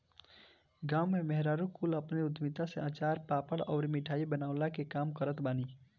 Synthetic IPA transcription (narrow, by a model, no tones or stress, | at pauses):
ɡaːʊmːemɛɦɾaːɾukuːləpneʊd̪ʱmit̪aseãːt͡ʃaːɾpaːpəɽɔːɾmiʈʰaːibənaːʊlakekaːmkəɾət̪baːni